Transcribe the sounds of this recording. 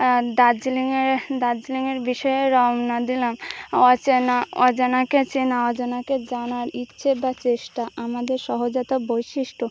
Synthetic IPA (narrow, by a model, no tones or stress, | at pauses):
d̪ad͡ʑliŋeɾd̪ad͡ʑliŋeɾbiʃɔeɾɔmnad̪ilamɔt͡ɕenaɔd͡ʑenaket͡ɕenaɔd͡ʑanaked͡ʑanaɾitːɕʰebat͡ɕeʃʈaamad̪eɾʃɔɦod͡ʑɔt̪abojʃiʃʈo